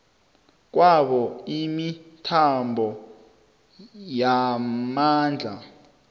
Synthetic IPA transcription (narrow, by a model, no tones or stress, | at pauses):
k̬wʔaɓɔimitʰambʱɔ | jamaːnd͡ɮʱa